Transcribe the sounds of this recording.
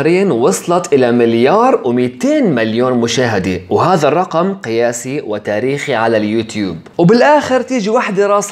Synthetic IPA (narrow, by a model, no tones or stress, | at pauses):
ɾiːnwɑsˤlɑt̪ˤʔɪlamɪljɑːɾˤwmɪt̪eːnmaljoːnmʊʃaːɦɪd̪ɪwɦaːðarˤːɑqɑmqɪjaːsiwɪt̪aːɾiːxiʕalaljuːt̪jṵːbwbɪlʔaːxɪɾt̪iːd͡ʒiwaħd̪aɾˤɑːs